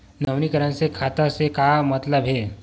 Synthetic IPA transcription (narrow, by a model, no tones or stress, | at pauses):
nəʋnikəɾãnsekʰat̪asekamət̪ləbʱɦe